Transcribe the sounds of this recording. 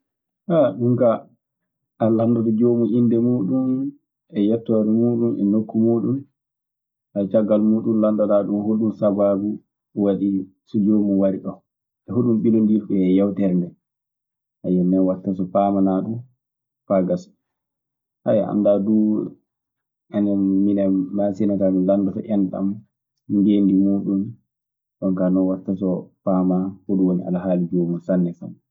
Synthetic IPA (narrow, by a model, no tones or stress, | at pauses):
haɗuŋka | ʔalandadɔd͡ʒomuʔindɛmuːɗum | ɛjɛtːɔɾɛmuːɗumʔɛ̰nokːumuːɗum | ʔat͡ʃaɡalmuːɗunlandaɗaɗunhoɗumsababu | waɗi | sɔd͡ʒomuwaɾiɗɔ | ɛhoɗumɓinondiɾɓɛːjawtɛɾndɛ | ʔajɛnːɛwatːasɔpaːmanaɗu | paɡas | ha̰jaa̰ndadu | anɛːinɛːasɛnatamilandɔtɔ̰ʔɛnta̰m | ŋɡendimuːɗun | ɗɔŋkanɔwatːasɔpamahoɗuwonḭʔa̰laɦaːlid͡ʒomusanːɛsa̰n